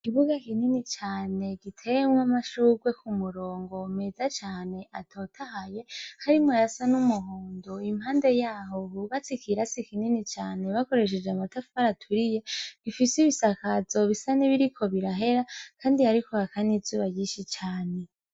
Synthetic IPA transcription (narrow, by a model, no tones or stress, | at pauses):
ikiβuɡakininit͡ʃaːne̞ɡitʰe̞ŋwamaʃuːɡwe̞kumuɾo̞ːŋɡo̞mezat͡ʃaːne̞ʔatʰo̞tʰahaje̞haɾimajasanumuɦoːndoimhaːnde̞jaːɦo̞huɡat͡sikiɾasikininit͡ʃaːne̞βako̞ɾe̞ʃ̬e̞d͡ʒeamatafaɾatʰuɾije̞βifisiβisakazo̞βisaniβiɾikʰo̞βiɾaɦe̞ɾakaːndihaɾikoakanizuːβajiːʃit͡ʃaːne̞